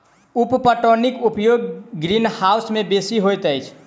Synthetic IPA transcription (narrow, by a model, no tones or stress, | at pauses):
uppəʈonikupjoɡɡɾinhaʊsmẽbesiɦojt̪əɪt͡ʃʰ